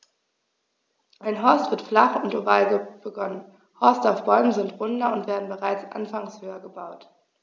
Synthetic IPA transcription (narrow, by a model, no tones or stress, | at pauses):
ʔaɪnɦɔɐstv̥ɪɐtflaχʊntovaːlɡəb̥əɡɔnən | hɔɐstaʊfb̥ɔʏmənzɪntʁ̥ʊndɐʊntv̥eːɐdn̩bəʁaɪt͡sʔa̰nfaŋshøːɐɡəbaʊt